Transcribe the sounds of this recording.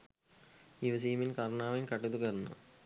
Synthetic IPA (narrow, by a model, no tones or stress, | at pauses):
iʋɐs̬iːminkɐɾɳaːʋɐjnkɐʈːed̪ukɐɾunːɐ̰